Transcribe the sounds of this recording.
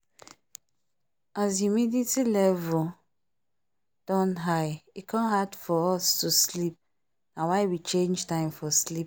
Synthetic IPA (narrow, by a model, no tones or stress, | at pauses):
az̬jumiditilɛvʊ | d̥ɔ̃nɦaɪikʰɔ̃nɦadfɔɔstuslip̚ | nawaɪwit͡ʃẽnd͡ʒtãɪ̃mfɔslip̚